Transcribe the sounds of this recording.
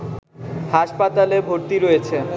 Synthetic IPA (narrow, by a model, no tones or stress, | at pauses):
haʃpat̪alebʱoɾt̪iɾoet͡ɕʰe